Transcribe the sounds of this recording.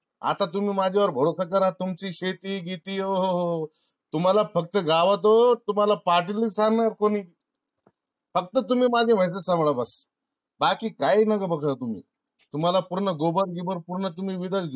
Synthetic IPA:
a̰t̪at̪̬um̤iːmad͡ʑʱeʋəɾbʱəɽosak̬əɾat̪umt͡ɕiːɕet̪iːɡit̪iːoɦoɦo | t̪um̤alafək̚t̪əɡaʋət̪̬ot̪um̤alapaʈ̬ilːiːsaŋɡnajaɾkoniːi | fəkt̪ət̪um̤iːmad͡ʑʱem̤əjs̬əsãmbɭabəs | bakiːkainəɡabəkʰt̪at̪um̤ḭː | t̪um̤alapuɾɳəɡobəɾɡibəɾpuɾɳət̪̬umiːʋid̪at͡sɡ

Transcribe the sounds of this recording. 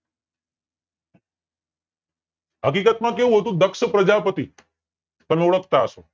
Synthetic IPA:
ɦəkikət̪mãkeʋũɦət̪ũd̪əkʃəpɾəd͡ʒapət̪i | t̪ənuɽək̚t̪aəʃo̰

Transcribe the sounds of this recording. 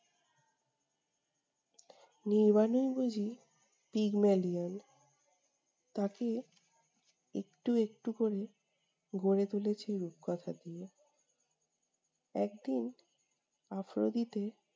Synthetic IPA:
niɾbanojbud͡ʑʱi | piɡmelian | t̪ake | ḛkʈuek̚ʈukoɾe | ɡʱoɾet̪ulet͡ɕʰiɾub̚kɔt̪ʰad̪ie | ɛk̚d̪in | afɾo̰d̪it̪e

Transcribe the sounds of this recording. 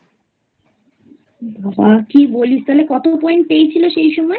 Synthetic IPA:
babakibolist̪ʰalekɔt̪opɔjnʈ̚pejt͡ɕʰiloʃejʃɔmɔe

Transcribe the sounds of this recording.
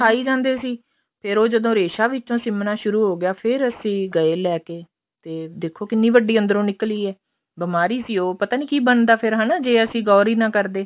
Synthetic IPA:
aːiːd͡ʒãːnd̪eːsiː | pʰɪɾoːd͡ʒəd̪õːɾeːʃaːʋɪt͡ʃːõːsɪmnaːʃʊɾuːɦoːɡɪjaːpʰɪɾəsĩːɡəeːlɛːkeː | t̪eːd̪ekʰoːkɪnːiːʋəɖiːənd̪əɾõːnɪkliːɛː | bɪmaːɾiːsiːoːpət̪aːnĩːkiːbənd̪aːpʰɪɾɦənad͡ʒeːəsĩːɡɔːɾiːnãːkəɾd̪eː

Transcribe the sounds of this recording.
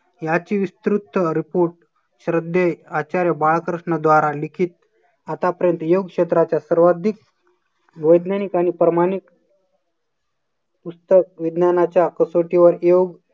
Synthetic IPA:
jat͡ɕiːʋist̪ɾut̪ːəɾipoɾʈ | ɕɾəd̪ʱːeat͡ɕaɾjəbaɭkɾəʂɳəd̪ʋaɾalikʰiːt̪̚ | at̪apəɾjənt̪əjoɡ̚kʂet̪ɾat͡ɕjasəɾʋad̪ʱik̚ | ʋəjd̪nanikaɽ̃ipɾəmaɽ̃ik | pust̪əkʋid̪nanat͡ɕjakəsoʈiʋəɾjoɡ

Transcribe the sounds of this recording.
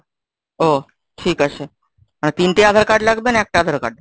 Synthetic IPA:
ɦo | ʈʰiːkəɕe | ant̪iːnʈ̪ead̪ʱəɾkaɖlaɡd̪əːnek̚ʈead̪ʱəɾka̰ɖ̚

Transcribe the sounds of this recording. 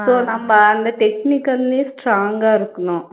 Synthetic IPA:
soːnɐmːɐɐnd̪ɐʈeknikɐlnisʈɾaːŋɡaːɐɾukunːaː

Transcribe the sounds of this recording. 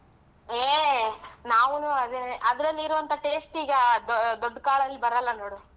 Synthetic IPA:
eː | naːʋunuɐd̪enʔɐd̪ɾɐlːiɾuʋɐnt̪ʰɐʈeːsʈiːɡɐd̪d̪oɖːkaːɭɐlːibɐɾɐlːɐno̞ːɽu

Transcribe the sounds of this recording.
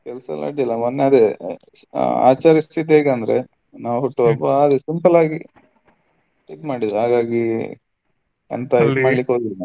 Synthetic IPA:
kɛlsɐ̰la̰ːɽilːɐmɐnːeɐd̪e | a̰ːt͡ʃaːɾɐst̪ʰit̪̬eːɡɐnd̪ɾḛ | naːʋɦoʈːuɐbːɐːd̪usimpɐlaːɡi | ipmaːɽid̪ɐɾuɦaːɡaːɡi | ɐ̰nt̪ɐimaːɽlikːɦoːɡid̪na

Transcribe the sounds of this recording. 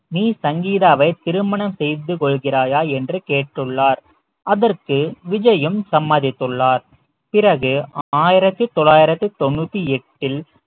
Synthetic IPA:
niːsɐŋɡiːðaːʋɐɪt̪ɪɾɯmɐɳɐmsɛjðɯkɔɭɣɪraːjaːɛndrɯkeːʈːɯɭːaːɾ | ɐðɐrkɯʋɪd͡ʒɐjɯmsɐmːɐðɪt̪ːɯɭːaːɾ | pɪrɐɣɯaːjɪɾɐt̪ːɯt̪ɔɭːaːjɪɾɐt̪ːɯt̪ɔnːuːt̪ːiɛʈːɪl

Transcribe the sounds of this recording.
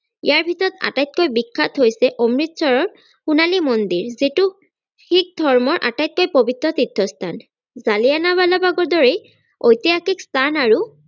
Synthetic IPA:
ḭjaɹbʱitɔɹɔt̪a̰tajt̪̚kojbikʰːat̪ɦojsɛʔɔmɹit̪sɔɹɔɹ | xunalimɔnd̪iɹzitu | hik̚d̪ʱɔɹmɔɹʔa̰tajt̪̚kojpobitɹɔt̪id̪ʱːɔst̪ʰan | zalianaβalabaɡɔɹdɔɹɛj | ojt̪iakikst̪ʰanaɹu

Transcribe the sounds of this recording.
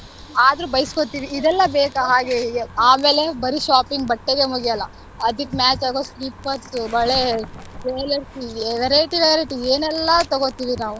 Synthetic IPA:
aːd̪ɾubɐjisi̥kot̪iːʋiid̪ɛlːɐbeːkaɦaːɡeaːme̞ːle̞bɐɾiʃaːpiŋɡ̚bɐʈːeɡemuɡijɐlːɐ | ɐd̪ikːmaːt͡ʃaːɡosɾiːpːɐɾsbɐɭepeːlɐɾʈieʋɐɾeʈiʋeɐɾɐʈieːnɛlːɐt̪ɐɡot̪iːʋinaːʋu

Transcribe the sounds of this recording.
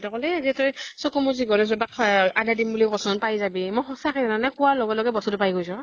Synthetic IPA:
takɔlɛezitɔjsɔkɔmuziɡɔɾɛzɔbakʰadadimbulikɔsʊnpajzabimɔjxɔsakizananakʊwalɔɡɔlɔɡɛbɔsɔtʊpajɡojsɔ

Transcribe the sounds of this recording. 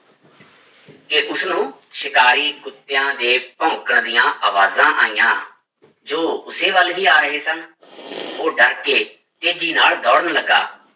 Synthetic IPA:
keʔʊsnũː | ʃɪkaːɾiːɡʊt̪ːejãːd̪eːpɔ̃ːkəɳd̪ijãːʔaːʋaːzãːʔa̰ːijã̰ː | d͡ʒoːʊseːʋəlɦiːaːɾəɦeːsən | oːɖəɾkeː | t̪eːd͡ʒiːnaːld̪ɔːɽənləɡa̰ː

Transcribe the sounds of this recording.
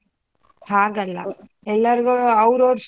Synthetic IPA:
aːɡɐlːɐ̰ | ɛlːɐɾɡuɐʋɾoːɾs

